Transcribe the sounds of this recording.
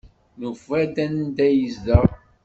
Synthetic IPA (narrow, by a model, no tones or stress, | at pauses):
nufæd̪ænd̪æjəzdəʁ